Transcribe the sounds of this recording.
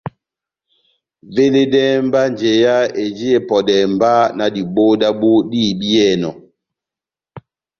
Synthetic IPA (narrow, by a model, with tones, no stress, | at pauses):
ve˦le˦dɛ˦mba˦nd͡ʒe˨ja˦e˨d͡ʒi˦e˨pɔ˨dɛ˨m˨ba˦na˨di˨ɓo˦da˦ɓu˦diː˦˨bi˦ɛ˦˨nɔ̰˨